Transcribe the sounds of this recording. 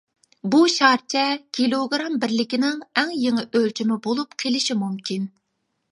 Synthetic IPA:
buʃɑɾt͡ʃʰɛkʲʰilˠoɡɾɑmbɪɾlɪkʲinɪŋɛŋjeŋɨʔølt͡ʃʰimɪbolˠupqʰelɪʃimumkʲin

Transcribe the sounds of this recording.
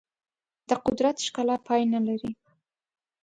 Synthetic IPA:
d̪̥əqʊd̪ɾat̪ʃkalapʰɑjnəlaɾi

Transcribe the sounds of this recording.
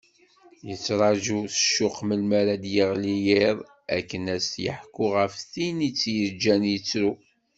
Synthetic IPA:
jət͡sːɾˤɑʒuθə̥ʃːʊqməlmaɾad̪jəʁlijiɾˤ | æ̰kːənæst̪jə̰ħkːʊʁəfθinit͡sːjəɾd͡ʒːænjət͡sːɾu

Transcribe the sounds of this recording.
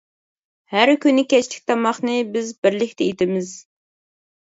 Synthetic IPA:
hæɾkʲynːɪkʲɛt͡ʃlɪ̥kʲt̪ʰɑmɑχnɨbɪzbɪɾlɪkʲt̪ʰɛit̪ɪmɪz̥

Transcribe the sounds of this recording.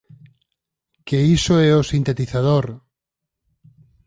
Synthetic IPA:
keisoɛosint̪et̪iθað̞oɾ

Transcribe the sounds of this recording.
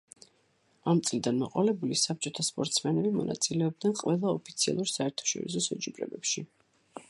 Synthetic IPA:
amt̪sʼlid̪anmɔqʼɔlɛbulisap̚t͡ʃʼɔt̪ʰaspʼɔɾt̪ʼsmɛnɛbimɔ̰na̰t̪sʼilɛɔb̚d̪nɛnqʼwɛlˠaɔpʰit̪sʰia̰lˠuɾsaɛɾt̪ʰḁʃɔ̰ɾḭsɔsɛt͡ʃʼipɾɛ̰bɛpʃi

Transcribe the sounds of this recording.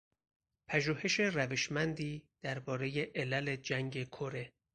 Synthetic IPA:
pʰæʒuːhe̞ʃe̞ræveʃmænd̪iːd̪̥æɾbɒːɾe̞je̞ʔelæled͡ʒæŋɡe̞kʰoɾe

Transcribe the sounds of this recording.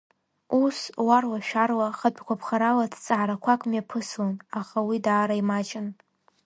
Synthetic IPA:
uswarwaʃᶣarwaχat͡pʼkʷʰapʰχaɾalatʰt͡sʼaʕaɾakʷʰakʷʼmjapʰɨslanaχawidaːɾaimat͡ʃʼɪn

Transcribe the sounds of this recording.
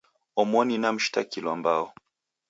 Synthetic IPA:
ɔmɔninam̩ʃtakilwambaɔ

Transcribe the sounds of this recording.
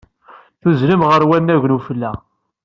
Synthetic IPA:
θuzlimʁəɾwænːæʝnufəlːæ

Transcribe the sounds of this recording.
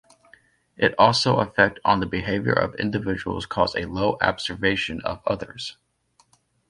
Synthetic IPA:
ʔɨɾɔlˠsoʊʔəfɛk̚tn̩ðəbɨɦeɪvjə̰˞ʔʌ̰vɪ̰̃ndɨvɪd͡ʒəwl̩ˠz̥kʰɔzɨloʊʔɑ̰b̥z̥ə˞veɪʃɨ̃nʌ̰vʌðə̰˞z̥

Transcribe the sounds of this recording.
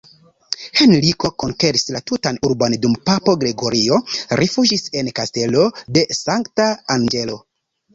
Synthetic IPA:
he̞nliko̞ko̞nke̞ɾislatutanuɾbondumpapo̞ɡɾe̞ɡo̞ɾio̞ɾʔefud͡ʒise̞nkaste̞lo̞de̞saŋktaːŋɡe̞lo̞

